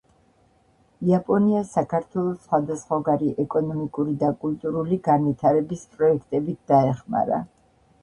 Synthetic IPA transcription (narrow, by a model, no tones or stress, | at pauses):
iapʼɔniasakʰaɾt̪ʰwɛlˠɔsχwad̪asχwaɡaɾiʔɛkʼɔnɔmikʼuɾid̪akʼult̪ʼuɾuliɡanvit̪ʰaɾɛbispʼɾɔɛkʰt̪ʼɛbit̪̚ʰd̪̥aɛχma̰ɾa̰